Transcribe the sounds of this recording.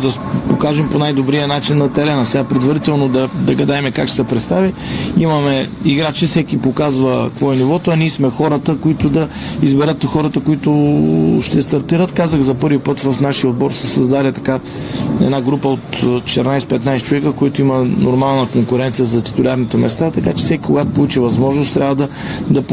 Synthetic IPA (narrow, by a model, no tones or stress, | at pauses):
d̪ɐ | pokaʒɛmponajd̪obɾijənat͡ʃinːɐt̪ɛɾɛnɐsɛɡapɾɛd̪vɐɾit̪ɛlˠnod̪ɐd̪ɐɡɐd̪aɛmɛkakʃsɛpɾɛt̪st̪aviimɐmɛiɡɾat͡ʃɛfsɛkipokazvɐkvɔɛnivɔt̪ʊɐniɛsmɛxɔɾət̪əkoit̪ʊd̪ɐizbɛɾɤt̪xɔɾɐt̪əkoit̪ʊʃt̪ɛst̪ɐɾt̪iɾət̪kazəɣzɐpɤɾvipɤt̪vɐfnaʃijəod̪̚bɔɾsɛsɐzd̪alʲɛt̪ɐka | ɛ̰d̪naɡɾupəot̪t͡ʃɛt̪ɛɾnajspɛt̪najst͡ʃovɛkəkoit̪ʊimənoɾmalˠnəkoŋkʊɾɛnt̪sijəzɐt̪i̥t̪ʊlʲaɾnit̪ɛmɛst̪at̪ɐkat͡ʃɛ̥sɛkʲi̥koɡat̪polˠut͡ʃivɐzmɔʒnʊst̪ɾʲavəd̪ɐd̪ɐp